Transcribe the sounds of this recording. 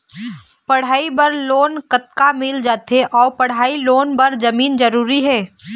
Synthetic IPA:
pəɽ̤aːibəɾloːnkət̪kamɪld͡ʒaːt̪eʔɔːpəɽ̤aːiloːnbəɾd͡ʒəmiːnd͡ʒəɾuːɾiɦɛː

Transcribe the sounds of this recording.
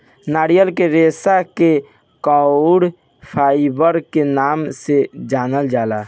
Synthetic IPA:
naːɽijəlkeɾeːsake | kɔɽ | pʰaːɪbəɾkenaːmsed͡ʒaːnəld͡ʒaːla

